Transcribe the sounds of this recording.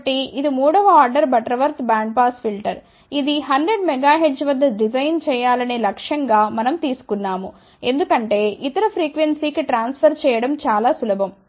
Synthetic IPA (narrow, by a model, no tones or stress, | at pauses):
ʈiid̪imuːɽɐʋɐaːɾɖɐɾbɐʈɐɾɐʋɐɾt̪ʰbaːɳɖ̚paːspʰilʈɐɾ | id̪iɦɐndɾeɖmɛɡaːɦeɖd͡ʒʋɐd̪ːɐɖid͡ʒɐjnt͡ʃɛːjaːlɐneːlɐkʂjɐŋɡaːmɐnɐmt̪iːsu̥kunːaːmu | e̞nd̪ukɐɳʈe̞ːʔit̪ɐɾɐpʰɾiːkʋensiːkiʈɾaːnspʰɐɾt͡ʃɛːjɐɽɐmt͡ʃaːlaːsulɐbʱɐm